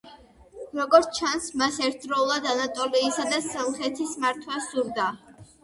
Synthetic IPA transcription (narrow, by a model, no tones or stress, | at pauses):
ɾɔɡɔɾt̪sʰt͡ʃʰansmasɛɾt̪ʰd̪ɾɔulˠad̪anat̪ʼɔliːsad̪asɔlˠχɛt̪ʰismaɾt̪ʰwasz̥uɾd̪a